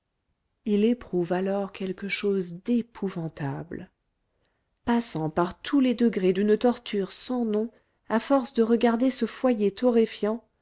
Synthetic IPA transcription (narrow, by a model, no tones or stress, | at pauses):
ilepχuvalɔʁkʲɛlkəʃozd̪epʰuvɑ̃t̪abl | pasɑ̃paʁt̪ʰuled̪əɡʁed̪ynt̪ɔʁt̪ʰyʁsɑ̃nɔ̃ | afɔʁsd̪əʁəɡaʁd̪esəfwajet̪ʰɔʁifjɑ̃